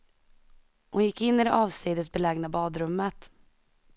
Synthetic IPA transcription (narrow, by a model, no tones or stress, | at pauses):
hʊnjɪkːɪnːɪd̪ɛʔɑːvsiːd̪ət̪sbɛlɛɡnabɑːd̪ɾɵmːət̪